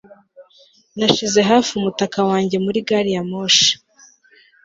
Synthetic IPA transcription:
naʃize̞ɦaːfiumutakawaːɲɟe̞muɾiɡaɾijamoʃḁ

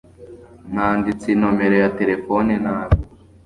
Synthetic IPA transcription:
naːndit͡sino̞me̞ɾo̞jate̞ɾe̞foninaːβ

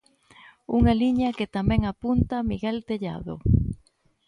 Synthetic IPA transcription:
uŋɐliɲɐket̪amɛ̃ŋapunt̪ɐmiɣɛlt̪eʎa̰ðo̰

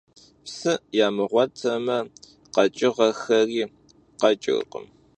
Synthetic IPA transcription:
psɨjaːmɨʁʷɔtʰɐmɐ | qɐt͡ʃʼɪʁɐxɐriː | qɐt͡ʃʼɪ̰ɣqə̰m

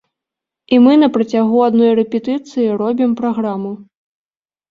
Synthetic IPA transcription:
imɨnɐpɾɐt͡sʲaɣuad̪nɔjrɛpʲɛt̪ɨt̪sɨjiɾɔbʲimpɾaɣɾamu

